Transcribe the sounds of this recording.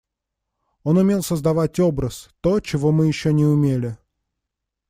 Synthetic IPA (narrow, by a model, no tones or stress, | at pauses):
onʊmʲe̞lˠsəzd̪ɐvatʲo̞bɾəst̪ot͡ɕɪvo̞mɨjɪɕːonʲɪʊmʲelʲɪ